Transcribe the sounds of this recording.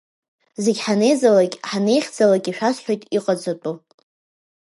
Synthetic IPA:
ze̞ɡʲħane̞jzalakʲʼħane̞jχʲd͡zalakʲʼiʂᶣasħʷᶣojtʼiqʼad͡zʷatʷʼu

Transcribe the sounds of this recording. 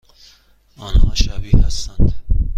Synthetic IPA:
ɒːnhɒːʃæbihæst̪ænd̪̥

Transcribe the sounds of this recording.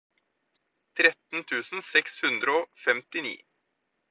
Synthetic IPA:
t̪ʰɾɛt̪n̩t̪ʰʉːsn̩sɛkshʉnd̪ɾəoːfɛmt̪ɪnḭː

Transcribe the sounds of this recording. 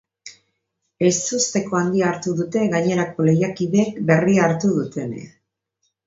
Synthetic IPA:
e̞st̪ust̪e̞ko̞and̪iaːɾt̪uðut̪e̞ɣaɲe̞ɾako̞le̞jakið̞eːkbe̞riaːɾt̪uðut̪e̞nḛ

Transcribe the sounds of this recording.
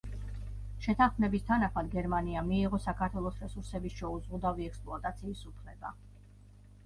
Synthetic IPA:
ʃɛt̪ʰaχmɛbist̪ʰanaχmad̪ɡɛɾmaniamiːʁɔsakʰaɾt̪ʰwɛlˠɔsɾɛsuɾsɛbisʃɛuzʁud̪aviɛkspʼlˠuat̪ʼat̪sʰiːsupʰlɛba̰

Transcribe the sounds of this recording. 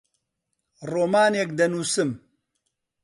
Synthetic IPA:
ɾomaːnek̚d̪ɐnusɨm

